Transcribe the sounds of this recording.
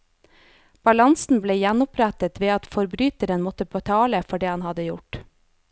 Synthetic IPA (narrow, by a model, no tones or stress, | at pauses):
b̥ɑlɑnsn̩bleːjænʊpɾæt̪ət̪ʋeːɑt̪fɔɾbɾyːt̪əɾənmɔt̪əpʰoːt̪ʰɑːləfɔɖeːhɑnhɑd̪əjʊʈ